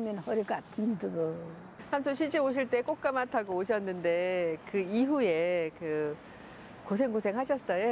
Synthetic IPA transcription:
mʌnhʌɾikatʰɯndɯɡɯ | t͡ɕʰamsʰoɕʰit͡ɕ͈eoɕ̬ʰiɭt͈e̞k͈ok̚k͈amatʰaɡooɕ̬ʰʌnːɯnde̞kɯiɦue̞kɯ | kos̬ʰe̞ŋɡosʰe̞ŋɦaɕ̬ʰʌs͈ʌjo

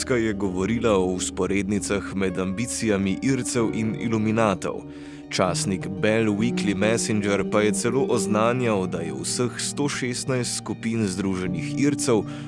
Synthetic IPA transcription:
skajɛɡɔʋɔɾiːlaɔuspɔɾeːd̪nit̪saxmɛd̪ambiːt̪sijamiʔiːɾt̪sɛwʔinḭluminaːt̪ɔ̰w | t͡ʃaːsnikbɛlwiklimɛsind͡ʒɛɾpajɛt̪sɛloːʔɔznaːnjawd̪ajɛ̰wsəxst̪oːʃeːst̪najst̪skupiːnzd̪ɾuːʒɛnixiːɾt̪sɛw

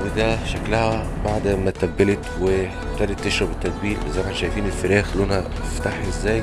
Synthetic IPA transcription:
wed̪æʃæklæhæ | baʕd̪mæt̪æbːelet̪we | t̪ɑːɾet̪ːeʃɾˤɑbet̪ːæd̪̚biːlmezæːkænʃæjfiːnelfeɾæːxlonhæ | ft̪aħʔezːæːj

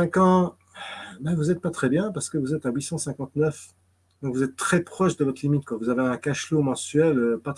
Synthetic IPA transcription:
ɛ̃kɑ̃ | bɛvuzɛt̪̚pat̪χɛbjɛ̃paʁsə̥kəvuzɛt̪awisɑ̃sɛ̃kɑ̃t̪nœf | d̪ɔ̃kvuzɛt̪ːχɛpχɔʃd̪əvɔt̪χlimit̪̚kwavuzaveɛ̃kaʃlomɑ̃sɥɛløpat̪

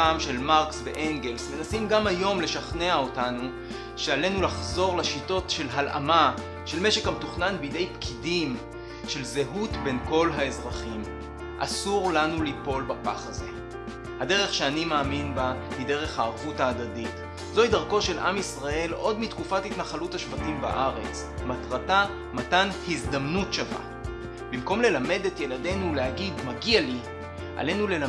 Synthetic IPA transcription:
amʃe̞lmaʁksvḛʔeŋɡe̞lsme̞nasimɡamajo̞mle̞ʃaχne̞aotanu | ʃeale̞nulaχzo̞ʁlaʃito̞tʃe̞lɦalʔa̰ma | ʃe̞lme̞ʃekhametuχnanbide̞jpkʰidim | ʃe̞lzeɦutbe̞nko̞lɦae̞zʁaχim | ʔa̰suʁlanulipo̞lbapaχaze̞ | hade̞ʁeχʃeanimaːminbahide̞ʁe̞χhaːʁvutaːdadit | zo̞idaʁko̞ʃe̞lʔa̰misʁae̞lo̞dmitkufathitnaχaluthaʃvatimba̰ʔaʁe̞t͡s | matʁata | matanhizdamnutʃava̰ | bimko̞mle̞lame̞detje̞lade̞nuleaɡidmaɡiali | ʔa̰le̞nule̞l

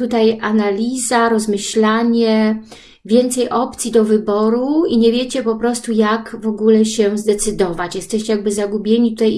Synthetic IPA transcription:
t̪ut̪ajʔanalʲizaɾɔzmɘɕlaɲɛ | vʲjɛnt̪sɛjʔɔp̚t̪sʲjid̪ɔvɘbɔɾuiɲevʲjet͡ɕɛpɔpɾɔst̪ujakvɔɡulɛɕɛzd̪ɛt̪sɘd̪ɔvat͡ɕjɛst̪ɛɕt͡ɕɛjaɡ̚bɘzaɡubʲjeɲit̪ut̪aj

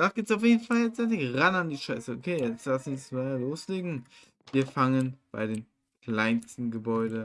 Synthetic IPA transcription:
d̥aːɡ̥ɪːp̚tsaʊfjeːdn̩faljɛt͡sɛɪçʁanandiːʃaɪsəokʰeːjɛt͡sl̥asismaloːsleːɡŋ̩ | viːɐfaŋənb̥a̰ɪdeːm | kl̥aɪnstn̩ɡəbɔʏɾə

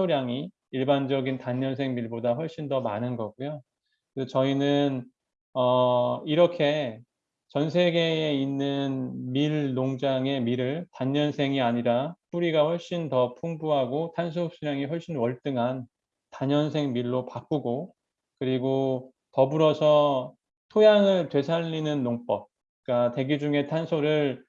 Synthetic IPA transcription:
oɾjaŋiː | ɭband͡ʑʌɡintaɲːʌnsʰeŋmiɭbodaɸwʌɭɕ͈indʌmanɯnɡʌɡujo | ket͡ɕʌinɯn | ʌiɾʌkʰe̞ | t͡ɕʌnsʰe̞ɡe̞einːɯnmiɭːoŋd͡ʑaŋe̞miɾɯɭtaɲːʌnsʰe̞ŋiaɲiɾap͈uɾiɡaɸwʌɭɕ͈intʌpʰuŋbuɦaɡotʰans̬ʰoɕ͈ʰiɾjaŋiɸwʌɭɕ͈inwʌɭt͈ɯŋɦan | taɲʌns̬ʰe̞ŋmiɭːopak͈uɡo | kɯɾiɡo | tʌbuɾʌsʰʌ | tʰojaŋɯɭtwe̞sʰaʎːinɯnːoŋp͈ʌp̚ | ik͈ate̞ɡjid͡ʑuŋe̞tʰansʰoɾɯɭ

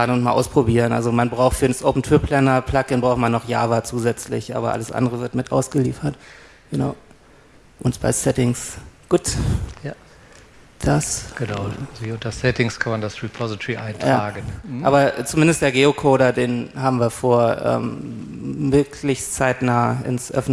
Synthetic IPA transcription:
aənʊntmaːlʔaʊspʁ̥obiːʁənʔa̰lzomanbʁaʊxtfyːɐnsʔoːpn̩tʰɪpʰlɛnɐpʰl̥akɪnbʁaʊmanːɔχja̰ːvat͡suːzɛt͡slɪ̰çʔa̰ːbɐ̰ʔa̰ləsʔa̰ndəʁəvɪɐtmɪtʔa̰ʊsɡ̥əlḭːfɐt | ɡ̥əna̰ʊ | ʔʊntb̥a̰ɪsɛtɪŋsɡ̥uːtj | d̥asɡ̥ənaʊiʊntɐsɛtɪŋskʰanmandasɹipʰɔzɪtʰʁiʔaɪntjʁaːaːɡəʔaːbɐt͡sumɪndəstd̥eːɐɡeːokʰoːɾɐdeːnɦaːbm̩viːɐfoːɐʔɛ̰ːm | mɪɐkʰlɪçst͡saɪtnaːəɪ̰nsʔœ̰fn̩

